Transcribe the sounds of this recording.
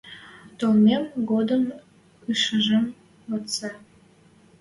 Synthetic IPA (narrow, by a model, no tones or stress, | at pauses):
t̪olmemɡod̪əm | ɯʃəʒəm | ot̪t͡sɑ